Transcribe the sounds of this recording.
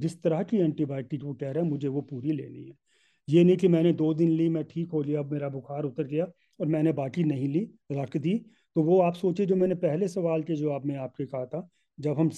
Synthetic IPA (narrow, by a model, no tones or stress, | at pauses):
d͡ʒɪst̪əɾaɦkiɛ̃ːɳʈibaːjʈɪkʋokɛɦɾaːɛ̃mʊd͡ʒʱeʋopuːɾilḛːnḭɦɛː | jenɐɦĩk̬imɛ̃ːned̪oːd̪ɪnlimɛ̃ʈʰiːkɦoːliaɐbmeːɾabʊxʰaːɾʊt̪əɾɡija | ɔːɾmɛ̃ːnebaːkinɐɦĩli | ɾɐkd̪iː | t̪oʋoaːpsoːt͡ʃed͡ʒoːmɛ̃ːnepɛɦlesɐʋaːlked͡ʒoːaːpnẽaːp̚kekɐɦat̪ʰa | d͡ʒɐbɦɐm